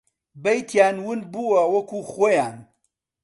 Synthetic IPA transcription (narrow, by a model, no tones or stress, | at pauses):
bɐjt̪ʰjaːnwɨnbuwɐwɐkuːχoːjaːn